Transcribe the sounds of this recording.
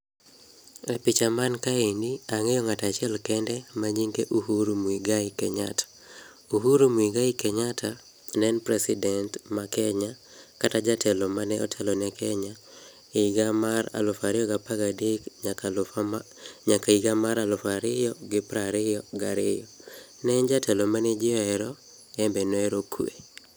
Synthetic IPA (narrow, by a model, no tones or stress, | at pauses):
ɛpit͡ʃamankaendiaŋɛjɔŋatat͡ʃɪɛlkɛndɛmaɲiŋɡeʔuhuɾomwiɡaikɛɲatḁ | uɦuɾomwiɡaikɛɲatʰa | nɛnpɾɛsɪdɛntmakɛɲa | katad͡ʒatʰɛlɔmanɛɔ̰tʰɛlɔnɛkʰɛɲa | ɡamaɾa̰lʊfaɾɪɔɡapaɡadɪkɲaka | ɲakaiɡamaɾalʊfaɾɪjɔɡɪpɾaɾɪjɔɡaɾɪjɔ | nɛnd͡ʒatʰɛlɔmanɛd͡ʒɪɔɛɾɔ | ɛmbɛnɔɛɾokʰwḛ